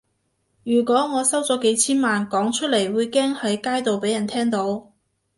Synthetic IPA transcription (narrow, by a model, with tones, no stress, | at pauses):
jyː˨˩kʷɔː˨˥ŋɔː˨˧sɐ˥wt͡sɔː˨˥ke˨˥jt͡sʰiː˥nmaː˨nkɔː˨˥ŋt͡ʃʰɵ˥t̚le˨˩jwuː˨˧jkɛː˥ŋhɐ˨˥jkaː˥jt̪o˨wpe˨˥jɐ˨˩nt̪ʰɛː˥ŋt̪o˨˧˥w